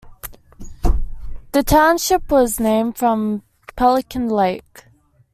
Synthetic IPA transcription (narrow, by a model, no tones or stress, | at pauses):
ðətʰãʊ̃nʃɪpwɒznẽɪ̃md̥fɹə̃m | pʰalˠɪkʰə̃nleɪk